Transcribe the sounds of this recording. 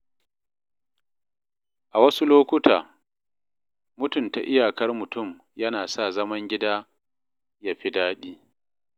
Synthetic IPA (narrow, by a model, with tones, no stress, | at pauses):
ʔa˨wɐ˦su˦loː˦kʷʊ˦taː˨ | mʊ˦tʊ˨nta̰˨ʔɪ˦jaː˨kɐ˦rmʊ˨tʊ˦˨m | jɐ˦naː˨saː˦˨zɐ˦mɐ˦ŋɡʲɪ˦daː˦ | ja˦ɸi˦daː˦ɗiː˦